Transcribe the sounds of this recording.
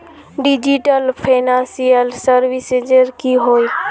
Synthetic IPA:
ɖɪd͡ʒiʈəlpʰeːnãːnsijəlsəɾʋɪsed͡ʒəɾkiɦoːi

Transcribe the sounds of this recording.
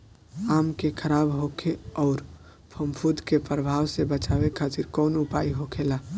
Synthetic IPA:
amkekʰəɾaːbɦokʰeɔːɾ | pʰəmpʰud̪kepɾəbʱawsebət͡ʃaʋekʰat̪iɾkɔːnupaiɦokʰela

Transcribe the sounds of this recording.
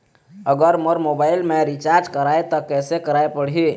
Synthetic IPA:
əɡəɾməɾmobailmeɾit͡ʃaɾd͡ʒkəɾajt̪ɔkɛsekəɾajpəɽ̤ɦi

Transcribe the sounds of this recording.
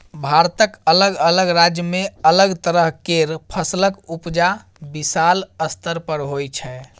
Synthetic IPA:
bʱaɾt̪əkələɡələɡɾad͡ʒjəmeələɡt̪əɾəɦkeɾpʰəsləkupd͡ʒa | bisaləst̪əɾpəɾɦojt͡ʃʰɛ

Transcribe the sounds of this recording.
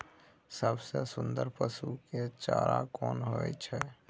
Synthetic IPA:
səbsesʊnd̪əɾpəsuket͡ʃaɾakɔnɦoɛt͡ʃʰɛ

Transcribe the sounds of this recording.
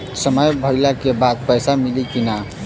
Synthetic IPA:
səməjbʱəɪlakebad̪̚pəjsamilikina

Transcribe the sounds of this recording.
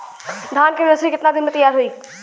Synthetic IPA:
d̪ʱaːnkɪnɾəsikɪt̪nad̪ɪnmẽt̪əjaːɾɦoiː

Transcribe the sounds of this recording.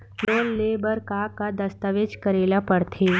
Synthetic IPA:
noːnleːbəɾkaːkad̪ɐst̪əʋed͡ʒkəɾeːlapəɾt̪ʰeː

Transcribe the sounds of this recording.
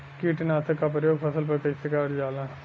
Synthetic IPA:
kiːʈnaːt̪əkːapɾjoːɡpʰɐsəlpɐɾkɐisɪkaːɾd͡ʒaːlãː

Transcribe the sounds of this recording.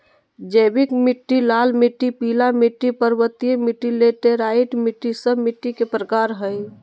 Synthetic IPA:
d͡ʒəbikmiʈːilalmiʈːipilamiʈːipəɾbət̪ijemiʈːilet̪eɾaiʈmiʈːisəbmiʈːikepɾəkaɾɦəj

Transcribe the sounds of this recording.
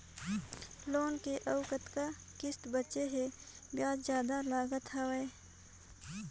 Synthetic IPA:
loːnkeʔəʊkət̪ka | kɪst̪bət͡ʃeɦẽ | bjaːd͡ʒzjaːd̪alaːɡət̪aʋe

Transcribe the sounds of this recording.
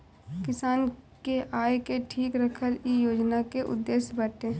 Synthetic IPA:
kɪsaːnkeʔaːekeʈʰiːkɾəkʰəlijoːd͡ʒnakeʔʊ̰d̪ːeːsjbəʈẽː

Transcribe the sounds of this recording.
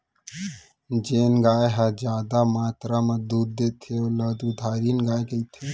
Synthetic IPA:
d͡ʒeːnɡaːjɦad͡ʒaːd̪amaːt̪ɾaməd̪uːd̪̚d̪et̪ʰeolad̪ud̪ʱaːɾinɡaːjkəit̪ʰe

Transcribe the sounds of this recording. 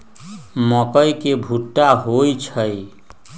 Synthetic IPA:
məkəjkebʱuʈːaɦojt͡ʃʰəj

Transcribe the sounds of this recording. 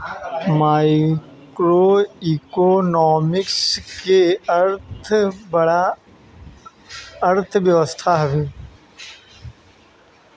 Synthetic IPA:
maːɪ | kɾoikonɔːmɪksketʰbɽa | əɾt̪ʰʋjəʋəst̪ʰaɦɛʋeː

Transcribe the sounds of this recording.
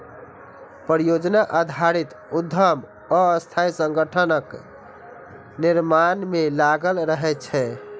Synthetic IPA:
pɾijod͡ʒnaʔad̪ʱaɾit̪ | ud̪ʱəm | ɔːst̪ʰajsəŋɡəʈʰənək | niɾmanmelaɡəlɾəɦɛt͡ʃʰɛ

